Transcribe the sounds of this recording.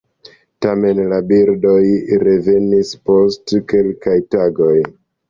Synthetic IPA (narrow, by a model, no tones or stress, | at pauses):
tame̞nlabiɾdo̞jɾe̞ve̞nispo̞stke̞lkajtaɡo̞j